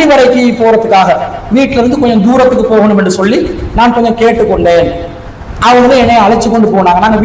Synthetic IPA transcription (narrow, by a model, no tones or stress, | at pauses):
ɪʋɐɾɐɪkːɯpoːɾɐt̪ːɯkːaːɣɐʋiːʈːɪlɪɾɯnd̪ɯkɔɲd͡ʒɐ̃d̪uːɾɐt̪ːɯkːɯpoːɣɐnɯmɛɳɖrɯsɔlːinaːnkɔɲd͡ʒɐ̃keːʈːɯkːɔɳɖeːn | ɐʋɐɣɯðɐ̃ɛnɐjɐɻɐt͡ʃːɯkːɔɳɖɯpoːɣnaːŋɡɐnaːŋɡɐʋ